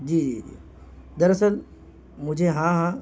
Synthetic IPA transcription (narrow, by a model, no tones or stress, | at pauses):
d͡ʑiːd͡ʒid͡ʒḭ | d̪əɾəsəl | mʊd͡ʒʱeɦãɦã